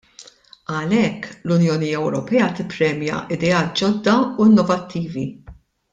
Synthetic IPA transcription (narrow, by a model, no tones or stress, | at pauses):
ɐlɛkːlʊnjɔːniɛwɾɔpɛːɐt̪ɪpːɾɛːmjɐ̰ʔɪd̪ɛɐːt̪̚d͡ʒɔd̪ːɐuɪnːɔvɐt̪ʰːiːvi